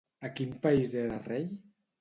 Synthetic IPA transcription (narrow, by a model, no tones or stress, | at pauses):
akimpaizeɾarej